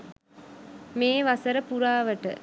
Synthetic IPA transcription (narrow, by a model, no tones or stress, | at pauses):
meːʋasəɾəpuɾaːʋəʈə̰